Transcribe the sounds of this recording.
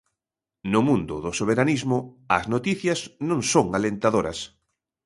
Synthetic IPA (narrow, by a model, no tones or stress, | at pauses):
nʊmũnd̪ʊðʊsoβ̞eɾanizmʊ | ɐznot̪iθjɐznõŋsoŋalent̪aðoɾɐ̰s